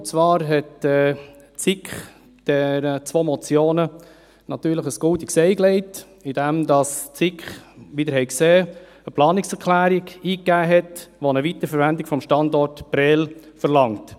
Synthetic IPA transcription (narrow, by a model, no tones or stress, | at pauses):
t͡svɑːɾɦɛtɛ | t͡sɪkχ | d̥ɛɾət͡sʋoːmɔt͡sjoːnə | nɑt̪yːɾləχəsɡ̥ʊltiksɛɪklɛɪt | ɪd̥ɛmdɑst͡sɪkχʋidəɾhɛɪkseː | əplɑːnɪksɛɾkʰlæːɾiɡiːkːæːɦɛtʋonəvitəfəɾʋændɪkfɔmʃtɑndɔrtb̥ɾɛlfəɾlɑŋt